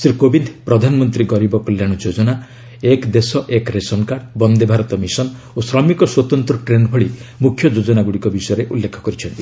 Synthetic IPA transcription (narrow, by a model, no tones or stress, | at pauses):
sɾikobind̪ʱpɾɔd̪ʱanɔmɔnt̪ɾiɡɔɾibɔkɔljaɽ̃ɔd͡ʒod͡ʒɔna | ekd̪esɔʔekɾesɔnkaɾɖbɔnd̪ebʱaɾɔt̪ɔmisɔn | osɾɔmikɔswɔt̪ɔnt̪ɾɔʈɾenbʱɔɭimukʰːjɔd͡ʒod͡ʒɔnaɡuɽikɔbisɔjɔɾeʔulːekʰɔ̥kɔɾit͡ʃʰɔnt̪i